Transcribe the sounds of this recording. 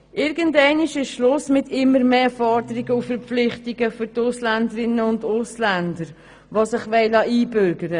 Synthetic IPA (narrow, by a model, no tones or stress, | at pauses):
ʔɪɾɡ̥əntɛɪniʃɪʃʃlʊsmɪtɪmːəɾmeːfɔɾdəɾɪɡəufəɾpflɪχtɪɡəfʏɾtʊslændəɾɪnːəʊndʊslændəɾ | ʋosɪχʋɛɪlɑʔiːbʏɾɡəɾə